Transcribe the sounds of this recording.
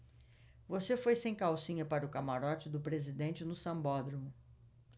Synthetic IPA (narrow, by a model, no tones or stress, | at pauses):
vosefojsẽj̃kawsĩɲɐpaɾɐʊkamaɾɔt͡ʃɪd̪ʊpɾezid̪ẽnt͡ʃɪnʊsɐ̃mbɔd̪ɾũ